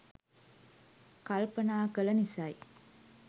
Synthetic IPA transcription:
kɐlpənaːkəlɐnisɐj

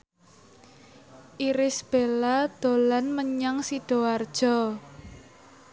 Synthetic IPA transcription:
ʔiɾɪsb̥elad̪̥o̤lanməɲaŋsiɖ̥o̤ward̥ʒ̥ɔ

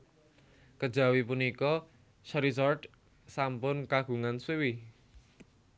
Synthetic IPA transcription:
kəd̥ʒ̥ä̤wipunikɔ | ʃɾizɔrd | sampʊnkaɡ̥ṳŋanswewi

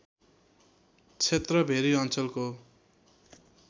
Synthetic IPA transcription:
t͡sʰet̪rʌbʱeɾiʌnt͡sʌlko

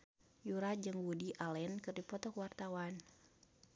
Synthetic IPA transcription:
juɾad͡ʒɨŋwudiʔalɛnkɨrdipɔt̪ɔkəwart̪awan

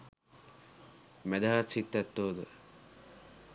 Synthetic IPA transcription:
mæd̪aɦat̪sit̪ːɛt̪ːoːd̪ə

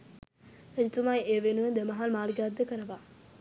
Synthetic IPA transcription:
ed͡ʒit̪umajeːʋenuʋəd̪emɐɦalmaːliɡad̪ːəkəɾəʋa

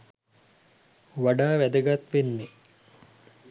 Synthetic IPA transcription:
ʋaɖaːʋæd̪əɡat̪ʋenːe

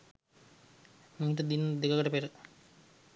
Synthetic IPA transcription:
miɦiʈ̪əd̪inːəd̪ekakəʈəpeɾə

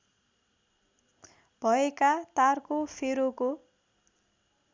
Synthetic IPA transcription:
bʱʌekat̪arkopʰeɾoko

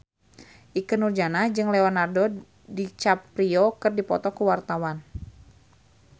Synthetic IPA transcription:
ʔikənurd͡ʒanahd͡ʒɨŋleɔnardo | dit͡ʃapɾiɔkərdipɔ̰t̪ɔkuwart̪awan

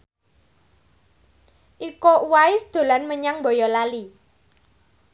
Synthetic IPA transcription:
ʔikouwaɪsd̪̥o̤lanməɲaŋbɔ̤jɔlali

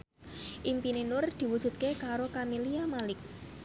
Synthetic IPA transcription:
ʔimpinenʊrd̪̥i̤wud̥ʒ̥ṳt̪̚kekaɾokamiliamalɪk̚

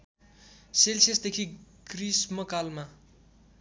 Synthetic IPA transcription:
selsesd̪ekʰiɡ̥rismʌkalma

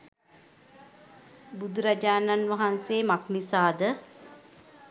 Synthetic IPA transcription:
bud̪uɾad͡ʒaːnanʋaɦanseːmaknisaːd̪ə

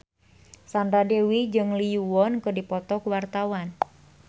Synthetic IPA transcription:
sand̪ɾadewid͡ʒɨŋlijuwɔnkədipɔt̪ɔkuwart̪awan

